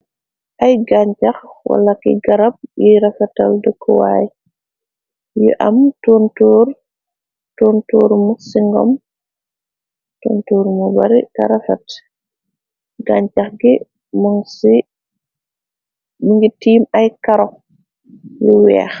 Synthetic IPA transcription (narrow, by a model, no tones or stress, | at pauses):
ʔɐjɡaɲcaxwɐ̰lakḭɡɐɾɐp̚jiɾɐfɛtɐ̰ldəkʰːɔwa̰j | jṵʔɐmtɔːntuːɾ | tɔntuːɾmusiŋɡɔ̰m | toːntuːɾmubɐɾikɐ̰ɾɐfɐt | ɡaːɲcɐxɡi | maŋsi | miŋɡitiːmɐjkɐɾɔ | juwɛ̰ːx